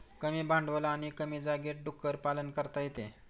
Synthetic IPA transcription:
kəmiːbãɳɖʋəlaːɽ̃ikəmiːd͡zaɡeʈ̚ɖukːəɾpalənkəɾt̪ajet̪e

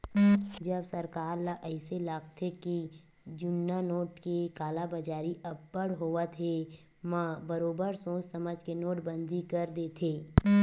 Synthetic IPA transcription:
d͡ʒɐbsɐɾkaːɾlaʔɛɪselaːkt̪ʰeki | d͡ʒʊnːanoːʈkekaːlabəd͡ʒaːɾiʔɐbːəɽɦoːat̪ʰe | mãbəɾoːbəɾsõːssɐməd͡ʒkenoːʈbə̃nd̪ʱikɐɾd̪eːt̪ʰeː

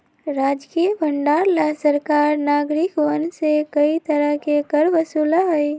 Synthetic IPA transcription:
ɾaːd͡ʒkiəbʱəɳɖaːɾlasəɾkaːɾnaːɡɾɪkʋənsekəit̪əɾəɦkekəɾʋəsuːlaɦɛj

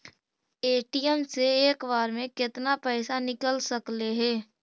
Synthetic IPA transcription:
eːʈijəmseeːkbaːɾmẽkɪt̪napɛːsanɪkəlsəkleɦɛː

